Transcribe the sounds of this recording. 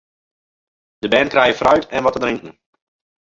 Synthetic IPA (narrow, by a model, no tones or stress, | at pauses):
d̥əbɛːnkrɛjəfrœɥtʰɛnʋɔtədrɪŋkəŋ̩